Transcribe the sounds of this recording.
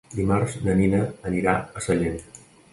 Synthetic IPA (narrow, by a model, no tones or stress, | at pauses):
d̪imarznəninəːniɾaəsəʎen